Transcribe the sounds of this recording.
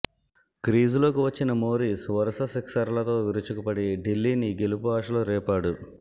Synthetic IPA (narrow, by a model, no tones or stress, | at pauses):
kɾiːd͡ʒulo̞ːkiʋɐt͡ʃːinɐmoːɾisʋɐɾɐsɐsiksɐɾlɐt̪o̞ːʋiɾut͡ʃukupɐɽiɖilːiːniɡelupuaːʂɐloːɾɛːpaːɽu